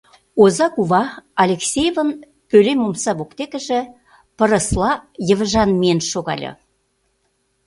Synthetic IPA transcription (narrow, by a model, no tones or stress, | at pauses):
ozɑkuvɑɑlʲeksʲejvə̆n | pølemomsɑβokt̪ekə̆ʒĕ | pə̆ɾə̆slˠɑjə̆vəʒɑnmienʃoɣɑ̰lʲɤ̰